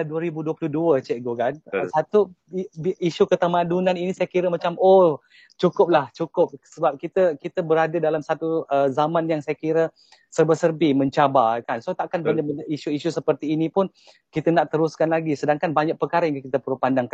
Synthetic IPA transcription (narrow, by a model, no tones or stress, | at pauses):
aduəɾibuduəpluhduət͡ʃɛʔɡokansat̪u | iʃukət̪amãdunaninisajakiɾəmat͡ʃamo | t͡ʃukʊp̚laht͡ʃukʊp̚səbap̚kit̪əkit̪əbəɾadədalamsat̪uəzamãnjaŋsajakiɾə | sərbəsərbimə̃ɲt͡ʃabakansot̪aʔkanbəndəməiʃuiʃusəpərt̪iːnipʊn | kit̪ənaʔt̪əɾuskanlaɡisədaŋkanbaɲaʔ̚pəkaɾəjŋkakit̪əpəɾupandaŋkan